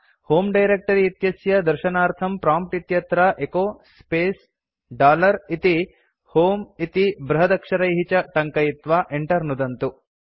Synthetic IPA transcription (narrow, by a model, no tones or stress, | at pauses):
hoːmɖɐjɾek̚ʈɐɾiit̪jɐsjɐd̪ɐɾʃɐnaːɾt̪ʰɐmpɾaːmp̚ʈit̪jɐt̪ɾɐʔekoːspeːs | ɖaːlɐɾit̪i | hoːmit̪ibɾɐɦɐd̪ɐkʂɐɾɐjɦit͡ʃɐʈɐŋkɐjit̪ʋaːʔeɳʈɐɾnud̪ɐnt̪u